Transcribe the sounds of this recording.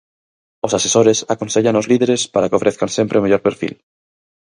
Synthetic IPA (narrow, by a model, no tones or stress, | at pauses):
osasesoɾesakonseʎanozliðeɾespaɾakofɾeθkansempɾeomeʎoɾpeɾfḭl